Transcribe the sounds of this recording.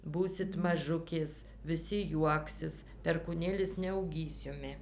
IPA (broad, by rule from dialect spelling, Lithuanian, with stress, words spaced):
ˈbuːsʲɪt mɐˈʒʊkʲeːs ʋʲɪˈsʲɪ ˈjuɔksʲɪs pʲɛrkuːˈnʲeːlʲɪs nʲɛɐʊˈɡʲiːs ˈjʊmʲɪ